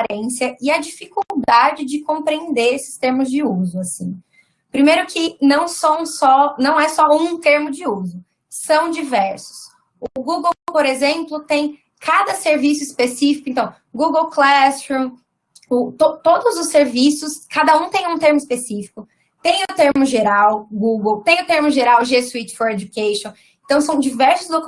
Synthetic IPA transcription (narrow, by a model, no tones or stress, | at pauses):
aɾẽsjɐʔɪɐd͡ʒifikuwd̪ad͡ʒɪd͡ʒɪkõmpɾeẽnd̪eɾesɪ̥st̪eɾmʊzd͡ʒɪuzʊasḭ̃ | pɾimejɾʊkʰɪnɐ̃w̃sɐ̃w̃sɔnɐ̃w̃ɛsɔũt̪eɾmʊd͡ʒɪuzʊ | sɐ̃w̃d͡ʒivɛɾsʊ̥s | ʊɡuɡowpoɾezẽmplʊt̪ẽj̃ | kʰad̪ɐseɾvisʊispesifikʊẽnt̪ɐ̃w̃ | ɡuɡowklɛst͡ʃɾũ | ʊt̪ot̪od̪ʊzʊsːeɾvisʊskad̪ɐũt̪ẽj̃ũt̪eɾmʊispesifi̥kʊ | t̪ẽj̃ʊt̪eɾmʊʒeɾawɡuɡowt̪ẽj̃ʊt̪eɾmʊʒeɾawʒesuit͡ʃɪ̥foɾed͡ʒukeʃõ | ẽnt̪ɐ̃w̃sɐ̃w̃d͡ʒivɛɾsʊzd̪ok